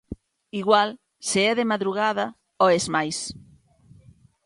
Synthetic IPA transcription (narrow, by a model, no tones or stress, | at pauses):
iɣwal | seɛðemaðɾuɣað̞ɐ | oezmajs